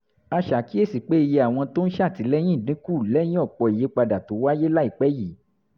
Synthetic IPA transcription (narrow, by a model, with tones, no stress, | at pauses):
a˧ʃa˨˦ki˦e˦˨si˨k͡pe˦i˧je˧a˨w̃ɔ̃˧to˦n̩˦ʃɛ˦˨ti˨˦lɛ˦j̃ĩ˦˨dĩ˨˦ku˦˨lɛ˦j̃ĩ˦ɔ˦˨k͡pɔ˧i˨je˨˦k͡pa˧da˨to˨˦wa˦je˦la˦i˦˨k͡pɛ˦ji˨˦